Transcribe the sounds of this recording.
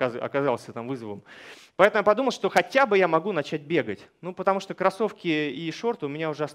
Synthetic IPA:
ɐ̰kɐzɑlˠsʲət̪amvɨzəvəm | pɐɛt̪əmʊjapɐd̪uməlˠʂt̪o̞xɐtʲabɨjamɐɡunɐt͡ɕæt̚ʲbʲe̞ɡətʲnupət̪ɐmuʂt̪okɾɐso̞fkʲɪiʂo̞rt̪ʊʊmʲɪnʲaʊʐɛɐs

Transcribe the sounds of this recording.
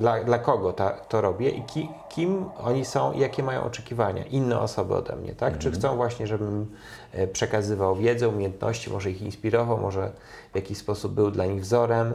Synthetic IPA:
d̪lad̪lakɔɡɔt̪at̪ɔɾɔbʲjɛʔikʲi | kʲʰimɔɲisɔ̃w̃ʔḭjakʲɛmajɔ̰̃w̃ʔɔt͡ʂɛkʲivaɲa̰ʔinːɛ̰ɔsɔbɘ̰ɔ̰d̪ɛ̰mɲɛ̰t̪akt͡ʂɘxt̪ɔ̃w̃vwaɕɲɛʐɛbɘm | pʂɛkazɘvawvʲjɛd̪zɛumʲjejɛnt̪nɔ̰ɕt͡ɕimʔɔʐɛixinspʲiɾɔvawmɔʐɛ | vʲjakʲiɕspɔsub̚ːɘwd̪laɲiɣvzɔɾɛm

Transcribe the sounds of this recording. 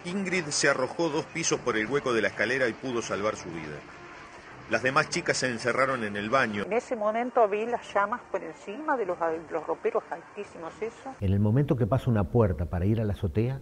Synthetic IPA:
iŋɡɾiðsearo̞xo̞ðo̞spiso̞spo̞ɾe̞lɣweko̞ð̞e̞laeskaleɾaipuð̞o̞salβaɾsuβḭð̞a̰ | lazðemast͡ʃikasːeːnseraɾo̞nenelβaɲonesemõmẽnt̪oaβilasʃamaspoɾensimaðelosdelosropeɾosalt̪isimosesoene̞lmo̞mẽnt̪okepasounapweɾt̪apaɾaiɾalaso̞t̪ea

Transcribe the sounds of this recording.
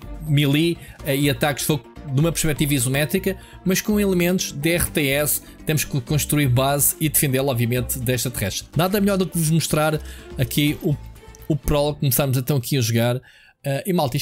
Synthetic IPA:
milˠiiɐt̪akʃfoɣd̪umɐpɾʃpɛt̪ivɐizumɛt̪ɾikɐ | mɐʃkõilˠɨmẽnt̪u̥ʒ̥d̪ɛʁt̪eɛs | t̪emuʃkɨkõʃt̪ɾuiɾβaziðɨfẽnd̪elˠɔbviɐmẽnt̪d̪ɛʃt̪ɾɐt̪ʁɛʃt̪ɾnaðɐmʎɔɾðukvuʒmuʃt̪ɾaɾɐkʰiuupɾɔlˠɔkumsaɾmuzɐ̃t̪ɐ̃w̃ɐkʰiɐʒuɣaɾ | ɛimalˠt̪iʃ

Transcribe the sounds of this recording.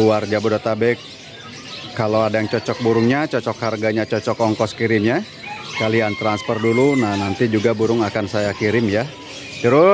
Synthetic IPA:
uard͡ʒabodot̪abɛkː | aloadajaŋt͡ʃɔt͡ʃɔk̚buɾʊŋɲat͡ʃɔt͡ʃɔkharɡaɲat͡ʃɔt͡ʃɔkɔŋkɔsə̥kiɾɪmɲa | skaliant̪ɾanspərdulunahnant̪id͡ʒuɡabuɾʊŋakansajakiɾɪmja | t͡ʃəɾʊ

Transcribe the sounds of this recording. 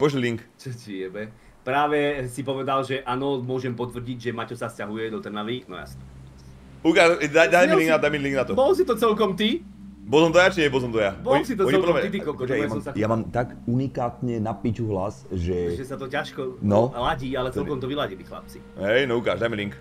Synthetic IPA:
pɔʒlɛliŋkt͡ʃɔt͡ʃiɛbɛ | pɾaːʋɛsipɔʋɛd̪alʒɛʔaːnɔmʊɔʒɛmpɔt̪ʋr̩ɟiɟʒɛmacɔsascaɦujɛd̪ɔt̪r̩naʋinɔ̰ja̰si̥t̪ɔ | ukaːʃd̪ajd̪ajmɛliŋɡnad̪ajmɛliŋɡnat̪ɔbɔlɔsit̪ɔt͡sɛlkɔmt̪i | bɔlsɔmt̪ɔjat͡ʃiɲɛbɔlsɔmt̪ɔjabɔlsit̪ɔɔlpɾmɛt̪it̪ikɔlkɔjamːɔmsajamaːmt̪aɡunikaːt̪ɲɛnapit͡ʃuɦlasʒɛʒɛsat̪ɔcaʃkɔnɔlaɟiːalɛt͡sɛlkɔmt̪ɔʋilaɟilixla̰p̚t͡si̥ | ɦɛjnɔuka̰ːʒd̪ajmɛliŋk

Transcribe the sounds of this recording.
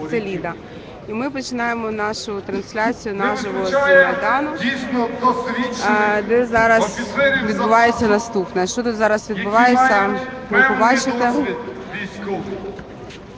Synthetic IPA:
sɛlʲid̪ɐ | imɪpɔt͡ʃɪnɑjemɔnɑʃʊt̪ɾɐnsʲlʲat͡sʲijʊnɑʒɔɦɔmɐjd̪ɑnʊ | d̪ɛzɑɾɐsʋʲid̪̚bʊʋɑjet͡sʲːɐnɐst̪upnɐʃt͡ʃɔt̪ut̪zɑɾɐsʋʲid̪̚bʊʋɑjet͡sʲːɐpɾɪpɔbɑt͡ʃɪt̪e

